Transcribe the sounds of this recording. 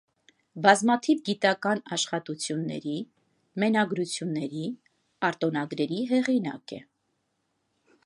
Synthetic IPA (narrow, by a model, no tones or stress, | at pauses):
bɑzmɑt̪ʰivɡit̪ɑkɑnɑʃχɑt̪ut͡sʰjunːɛ̰ɾi | mɛnɑɡɾut͡sʰjunːɛɾi | ɑɾt̪ɔnɑɡɾɛɾiɦɛʁinɑ̰kɛ